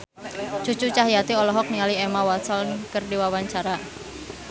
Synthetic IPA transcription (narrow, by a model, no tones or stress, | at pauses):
t͡ʃu̥t͡ʃut͡ʃaɦijat̪iɔlɔɦɔk̚niŋaliɛmawasɔlnkərdiwawaɲt͡ʃaɾa